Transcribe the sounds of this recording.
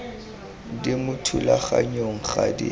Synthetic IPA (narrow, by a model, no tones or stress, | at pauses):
dɪmʊtʰʊlaχa̰ɲoŋ̩χadḭ